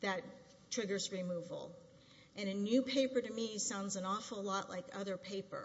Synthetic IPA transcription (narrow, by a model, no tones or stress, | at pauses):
ðɨt̚ | tʰɹ̥ɪɡə˞zɹimuv̰l̩ˠ | ʔɨ̃nɨnʉpʰeɪpə˞ɾɨmisãʊ̃ndzɨ̃nɔfl̩ˠlɔʔlʔa̰ɪkʌ̰ðə˞pʰeɪpə̰˞